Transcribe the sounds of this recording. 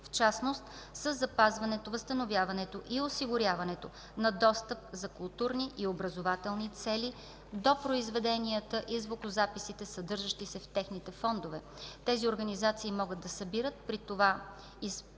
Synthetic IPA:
ft͡ʃasnost̪səzːɐpazvɐnɛt̪ovəst̪ənovʲjavɐnɛt̪oʔiosiɡʊɾʲjavɐnɛt̪o | nɐd̪ɔst̪əp̚zɐkʊlˠt̪uɾniʔiobɾəzovat̪ɛlˠnit̪sɛli | d̪opɾoizvɛd̪ɛniət̪əʔizvokʊzapisit̪ɛsɐd̪ɤɾʒəʃt̪isɛft̪ɛxnit̪ɛfɔnd̪ovɛ | t̪ɛzioɾɡɐnizat̪siːmɔɡəd̪d̪ɐsɐbiɾət̪̚pɾit̪ova | is

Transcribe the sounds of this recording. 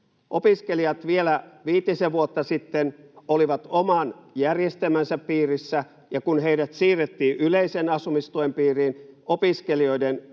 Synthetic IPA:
ʔopiskeliɑt̪ʋielæʋiːt̪ːiseʋuot̪ːɑsit̪ːenoliʋɑt̪omɑnjærjest̪emænsæppiːrisːæ | jɑkunheidæt̪siːret̪ːiːʔyleisenɑsumist̪uempiːriːnopiskelioiden

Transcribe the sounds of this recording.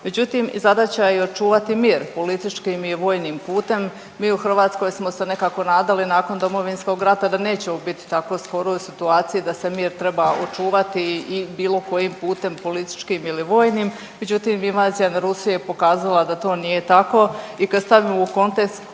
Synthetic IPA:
me̞d͡ʑut̪imḭzad̪at͡ɕaio̞t͡ʃuːʋat̪imiːɾpo̞lit̪it͡ʃkimiʋo̞ːjnimpuːt̪e̞mː | iːuxr̩ʋaːt̪sko̞jsmo̞se̞ne̞kaːko̞naːd̪alinaːko̞nd̪o̞mo̞ʋinsko̞ɡɾat̪ad̪ane̞ːt͡ɕeobit̪i̥t̪ako̞sko̞ɾojusit̪uaːt̪sijud̪ase̞miːɾt̪ɾe̞baot͡ʃuːʋat̪iːbiːlˠo̞ko̞jimpuːt̪e̞mpo̞lit̪i̥t͡ʃkimiliʋo̞ːjnim | mːe̞d͡ʑut̪imiʋaːzijanaɾusijepo̞kaːzalˠad̪at̪o̞ːnije̞t̪ako̞ikad̪st̪aʋimouko̞nt̪e̞kst̪

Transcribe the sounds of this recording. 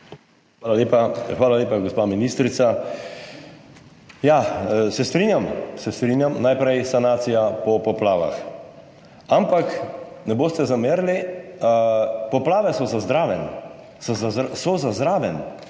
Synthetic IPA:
xʋaːlaleːpaxʋaːlaleːpaɡospaːminist̪ɾit̪sa | jasɛst̪ɾinjamsɛst̪ɾinjamnajpɾɛjsanaːt̪sijapɔpɔplaːʋa̰x | ampaknɛboːst̪ɛzameɾli | pɔplaːʋɛsɔzazd̪ɾaːʋɛn | szasɔzazd̪ɾaːʋɛn

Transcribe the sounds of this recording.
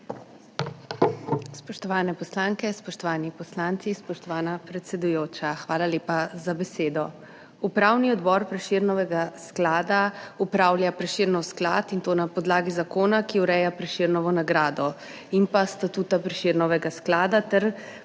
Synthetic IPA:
spɔʃt̪ɔʋaːnɛpɔslaŋkɛspɔʃt̪ɔʋaːnipɔslant̪sispɔʃt̪ɔʋaːnapɾɛt̪sɛd̪ujoːt͡ʃaxʋaːlaleːpazabɛseːd̪ɔ | upɾawniɔd̪bɔɾpɾɛʃiɾnɔʋɛɡasklaːd̪aupɾaːwljapɾɛʃiɾnɔwskla̰t̪int̪oːnapɔd̪laːɡizakoːnakiuɾɛjapɾɛʃiɾnɔʋɔnaɡɾaːd̪ɔ | inpast̪at̪uːt̪apɾɛʃiɾnɔʋɛɡasklaːd̪at̪ɛɾ

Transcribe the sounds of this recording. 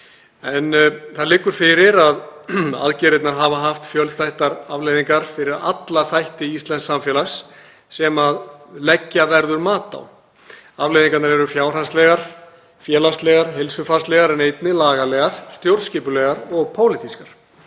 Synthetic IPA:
ɛnθaðlɪːkːʏɾ̥fɪɾɪɾaða̰ðcɛːɾɪt̪naɾɦaːvaɦaft̪fjœlðθajht̪aɾavlejðiŋkaɾ̥fɪɾɪɾa̰t̪laθajht̪ɪist̪lɛnsamfjɛlasː | ɛmaðlɛcːavɛɾðʏɾmaːt̪a̰w | avlejðiŋkat̪naɾɛɾʏfjaːwr̥anst̪lɛɣaɾ̥ | fjɛːlast̪lɛɣaɾ̥ɦɪlsʏfan̥st̪lɛɣaɾɛnejt̪nɪlaːɣalɛːɣaɾ̥st̪jowɾscɪːpʏlɛɣaɾɔɣpʰoːwlɪt̪iskaɾ̥

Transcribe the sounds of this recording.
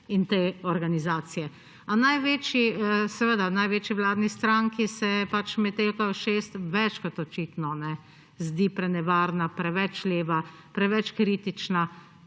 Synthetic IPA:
int̪eɔɾɡanizaːsijɛ | anajʋeːt͡ʃisɛʋəd̪anajʋeːt͡ʃiʋlaːd̪nist̪ɾaŋkisɛpat͡ʃmɛt̪elkajɔʃeːst̪ʋɛt͡ʃkɔt̪ɔt͡ʃiːt̪nɔnɛ | zd̪ipɾɛnɛʋaːɾnapɾɛʋɛt͡ʃleːʋa | pɾɛʋɛt͡ʃkɾiːt̪it͡ʃna

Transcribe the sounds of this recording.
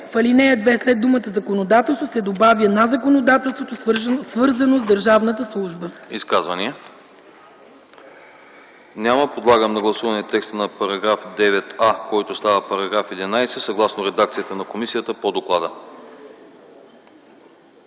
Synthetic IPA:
fɐlinɛjəd̪vɛslɛd̪ːumət̪əzɐkonod̪at̪ɛlˠst̪vosɛd̪obavʲjənazɐkonod̪at̪ɛlˠst̪vot̪osvɤɾzɐnozd̪əɾʒavnət̪əslˠuʒbəiskazvɐniɛ | nʲaməpod̪lˠaɡəmnɐɡlˠɐsuvɐnɛt̪ːɛkst̪ənɐpɐɾɐɡɾafd̪ɛvɛt̪akɔjt̪ost̪avəpɐɾɐɡɾafɛd̪inajsɛsɐɡlˠasnoɾɛd̪ak̚t̪siət̪ənɐkomisijət̪əpod̪oklˠad̪ə

